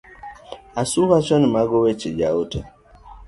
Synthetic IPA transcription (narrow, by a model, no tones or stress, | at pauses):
asukat͡ʃɔnimaɡowet͡ʃed͡ʒaotɛ